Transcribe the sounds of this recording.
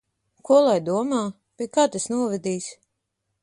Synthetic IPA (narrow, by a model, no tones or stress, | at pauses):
kuɔlˠajd̪uɔmaː | pʲiɛkaːt̪esnuɔvɛd̪iːsʲ